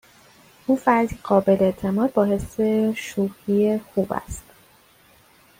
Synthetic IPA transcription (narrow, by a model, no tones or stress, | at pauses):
ʔuːfæɾd̪iːɢɒːbe̞leet̪ʰe̞mɒːd̪̚bɒːhe̞se̞ʃuːhiexuːbæ̰st̪